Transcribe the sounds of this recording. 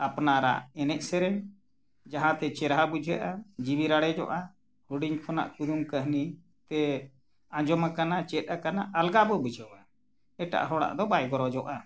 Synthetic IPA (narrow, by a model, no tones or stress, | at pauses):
apnaɾa̰ʔɛnɛʔsɛɾɛ | d͡ʒaɦãt̪ɛt͡ʃɛɾɦabud͡ʒʱɛʔad͡ʒibiɾaɽɛd͡ʒɔ̰ʔa | huɽiɲpʰɔna̰ʔkud̪umkəɦni | t̪ɛ | ãd͡ʒɔmakanat͡ʃɛt̪̚akanaʔːlɡabɔbud͡ʒʱəwa | ɛʈa̰ʔɦɔɽa̰ʔd̪ɔbajɡɔɾɔd͡ʒɔʔa